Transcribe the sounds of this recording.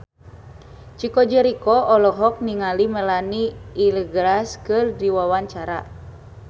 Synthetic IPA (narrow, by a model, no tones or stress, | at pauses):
t͡ʃikɔd͡ʒəɾikɔɔlɔɦɔk̚niŋaliməlaniːləɡɾaskɨrdiwawaɲt͡ʃaɾa̰